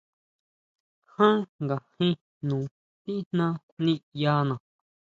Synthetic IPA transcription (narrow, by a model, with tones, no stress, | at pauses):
hã˦ŋɡa˨hĩ˦ | nũː˨ | t̪i˦n̥nã˦kʷʔnĩ˦ja˧˦nã˨